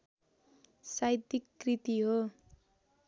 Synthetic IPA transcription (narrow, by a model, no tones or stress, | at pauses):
sajt̪ikːrit̪iɦo